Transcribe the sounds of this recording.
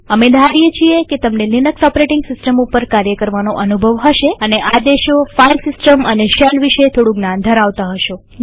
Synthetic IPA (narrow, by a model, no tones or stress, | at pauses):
əmed̪ʱaɾijet͡ʃʰieket̪əmnelɪnəksɔpɾeʈɪŋɡsɪsʈəmupəɾkaɾjəkəɾʋanoʔənubʱəʋɦəʃeəneʔad̪eʃofajɾsɪsʈəməneʃelʋiʃet̪ʰoɽũɡnand̪ʱəɾaʋt̪aɦəʃo